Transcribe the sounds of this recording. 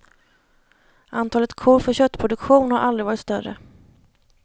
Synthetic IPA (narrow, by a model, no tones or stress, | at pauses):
ʔant̪ʰɑːlət̪kʰoɾfœɕœt̪ːpʰɾʊd̪ɵkɧuːnhaɾʔald̪ɾɪvɑːɾɪt̪st̪œrə̰